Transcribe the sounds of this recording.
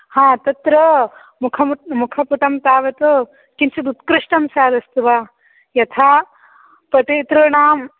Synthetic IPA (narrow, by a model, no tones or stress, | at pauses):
hãːt̪ɐt̪ɾɐ | mukʰɐmmukʰɐpuʈɐmt̪aːʋɐt̪u | kint͡ʃɐd̪ut̪kɾɪʂʈɐmsaːd̪ɐst̪uʋaː | jɐt̪ʰaː | pɐt̪eːt̪ɾuːɳaːm